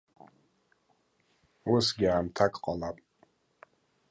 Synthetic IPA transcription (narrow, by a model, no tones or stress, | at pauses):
usɡʲiaːmtʰakʼqʼalapʼ